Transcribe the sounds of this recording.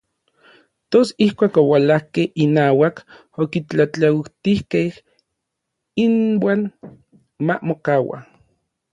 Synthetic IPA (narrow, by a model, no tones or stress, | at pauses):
t̪osihkʷaːkowalahkehinaːwak | okit͡ɬat͡ɬait̪ihkeh | inwaːn | mamokawa̰